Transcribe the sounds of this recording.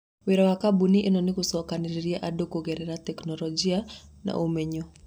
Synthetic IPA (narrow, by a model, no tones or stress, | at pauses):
weɾawakabuniʔenɔnɪkusɔkaniɾiɾiaʔadokoɣɛɾɛɾatɛknɔlɔd͡ʒiana̰ʔumɛɲɔ